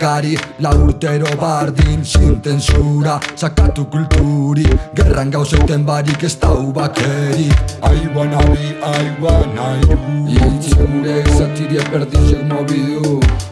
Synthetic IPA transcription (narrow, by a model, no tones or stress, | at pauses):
ɡaɾilauɾt̪ɛɾoβaɾd̪insint̪ensuɾasakːat̪ukult̪uɾiɡɛrʔaŋɡawsɛt̪ːɛmbaɾikest̪awβakɛɾiajβanaβiajwanaisuɾesat̪iɾiɛpɛɾd̪iʃɛɾmɔβiu